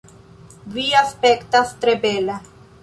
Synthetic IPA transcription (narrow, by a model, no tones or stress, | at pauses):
viaspekt̪ast̪ɾebela